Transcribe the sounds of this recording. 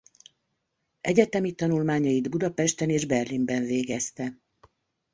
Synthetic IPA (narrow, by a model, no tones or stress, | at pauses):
ɛɟɛt̪ɛmit̪ɒnulmaːɲɒjid̪bud̪ɒpɛʃt̪ɛneːʒbɛrlimbɛɱveːɡɛst̪ɛ